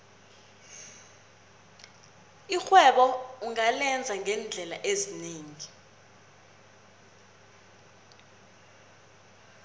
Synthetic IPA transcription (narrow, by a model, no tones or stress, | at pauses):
ixwɛɓɔuŋalɛnd͡zʱaŋʱɛnd͡ɮʱɛlaʔezineːŋi